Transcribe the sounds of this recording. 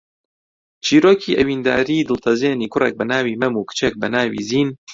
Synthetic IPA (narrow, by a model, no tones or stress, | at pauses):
t͡ʃʰiːɾoːkʰiːʔɐwiːnd̪aːɾiːd̪ɨlt̪ʰɐzeːniːkʰʊrḛːk̚bɐnaːwiːmɐmukɨ̥t͡ʃek̚bɐnaːwḭːziːn